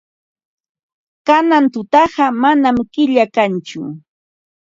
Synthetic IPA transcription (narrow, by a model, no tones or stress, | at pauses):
kanant̪ʊt̪ɑɢɑmanamkɪʎakant͡ʃʊ̰